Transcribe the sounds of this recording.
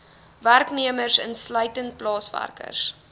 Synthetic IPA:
værkniəmərsənsləɥtənt̚plɑːsvæ̰rkə̰rs

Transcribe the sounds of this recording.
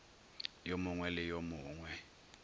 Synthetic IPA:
jomʊŋwɛlɪjomʊːŋwɛ

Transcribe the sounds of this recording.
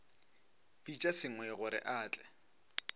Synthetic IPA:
bit͡ʃʼasɪŋ̩wɛɣʊɾɪ̰ʔaːt͡ɬʼɛ̥

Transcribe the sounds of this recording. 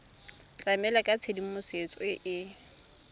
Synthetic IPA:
t͡ɬʼamɛlakʼat͡sʰedimʊset͡sʼɔɪʔɪ

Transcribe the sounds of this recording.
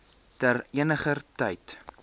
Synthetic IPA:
təriənəχərtəjt

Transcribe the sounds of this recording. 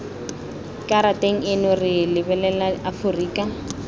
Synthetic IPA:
kʼaɾatʼeŋ̩ɪnʊrɪlɪbɛlɛlaafʊriːkʼa

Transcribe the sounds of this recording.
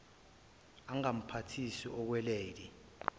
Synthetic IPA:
aŋam̩pʰatʰisiɔk̬wɛleːli

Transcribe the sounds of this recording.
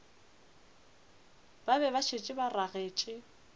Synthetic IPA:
babɛβat͡ʃʰet͡ʃʼɪbaraɣeːt͡ʃʼɪ

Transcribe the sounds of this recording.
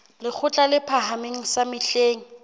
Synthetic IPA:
lɪk͡xʰʊt͡ɬʼalɪpʰaɦameŋ̩samɪɬeːŋ̩

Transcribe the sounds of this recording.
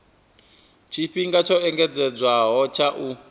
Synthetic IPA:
t͡ʃʰiɸiŋɡat͡ʃʰɔɛŋɡɛd͡zɛd͡zwaɦɔt͡ʃʰaʔu

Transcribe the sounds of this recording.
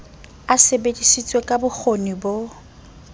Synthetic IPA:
asebedisit͡sʼwekʼabʊk͡xʰonibo

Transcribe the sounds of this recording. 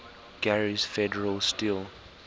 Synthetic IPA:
ɡæɹiz̥fɛdəɹəlstilˠ

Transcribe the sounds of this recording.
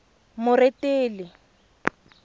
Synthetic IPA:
mʊreteːlɪ

